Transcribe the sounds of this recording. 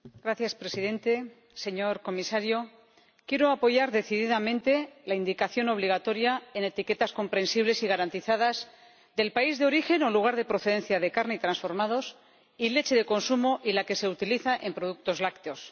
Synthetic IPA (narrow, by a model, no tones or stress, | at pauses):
ɡ̥ɾaθjaspɾe̞siðẽ̞nt̪e̞ | se̞ɲo̞ɾko̞misaɾjo̞ | kje̞ɾo̞apo̞ʝaɾðe̞θiðiðamẽ̞nt̪e̞laind̪ikaθjo̞no̞βliɣ̞at̪o̞ɾjae̞ne̞t̪ike̞t̪asko̞mpɾe̞nsiβ̞le̞siɣaɾant̪iθaðaz | d̪e̞lpaizðeo̞ɾixe̞no̞luɣ̞aɾðe̞pɾo̞θe̞ðe̞nθjaðe̞kaɾneit̪ɾansfo̞ɾmað̞o̞s | ile̞t͡ʃeðe̞ko̞nsumoʔilake̞se̞ut̪iliθaʔe̞mpɾoð̞uk̚t̪o̞zlakt̪eo̞s